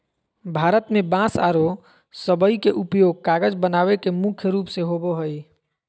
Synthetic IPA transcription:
bʱaɾət̪mebãsa̰ɾo | səbəikeʔupjoɡ̚kaɡəd͡ʒbənaβekemukʰjəɾuːpseɦoboɦəj

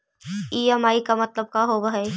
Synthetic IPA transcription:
iːɐmaːikamɐt̪ləb̚kaɦobəɦəj

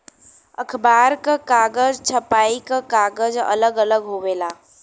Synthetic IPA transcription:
əkʰbaːɾkakaːɡəzt͡ʃʰəpaːikakaːɡəzɐ̰ləɡələɡɦoʋeːlaː

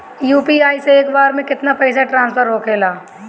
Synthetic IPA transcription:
juːpiaːiseeːkbaːɾmẽkɪt̪napɛːɪsaʈɾãːnspʰəɾɦoːkʰeːlaː

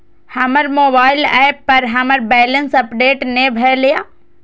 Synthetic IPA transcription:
hɐməɾmoːbaːɪlɛːpːɐɾɦɐməɾbɛːlənsɐpɖeːʈnebʱɛlijaː

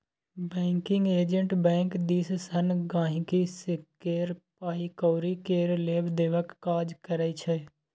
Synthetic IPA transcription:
bɛ̃ːŋkɪ̃ŋɡeːd͡ʒə̃ɳʈbɛ̃ːŋkd̪iːssənɡãːɦĩkisekeːɾpaːikoːɾikeːɾleːbd̪eːʋəkːaːd͡ʒkəɾəit͡ʃʰɛ

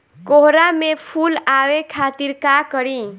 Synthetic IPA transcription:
koɦɾamepʰulawekʰat̪iɾkakəɾi

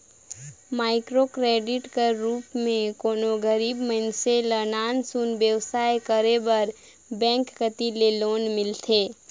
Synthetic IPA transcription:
maːɪkɾokɾeːɖɪʈkəɾuːpmẽkoːnoɡəɾiːbməɦɪnselənaːnsunbjəwsaːekəɾebəɾ | bɛ̃ːŋkːət̪ileloːnmɪlt̪ʰeː

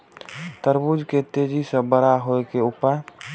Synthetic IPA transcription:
t̪əɾbud͡ʒket̪eːd͡ʒisẽbəɾaɦoekeʊpəɾ

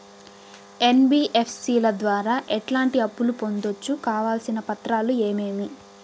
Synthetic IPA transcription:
e̞nbiːʔepʰsiːlɐd̪ʋaːɾaːʔɛʈlaːɳʈiɐpːulupo̞nd̪ot͡ʃːukaːʋaːlsinɐpɐt̪ɾaːlue̞ːme̞ːmi

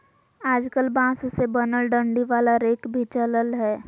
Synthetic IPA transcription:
aːd͡ʒkəlbãːsʊsebənəlɖə̃ɳɖiʋaːlaɾeːkbʱit͡ʃələlɦɛː

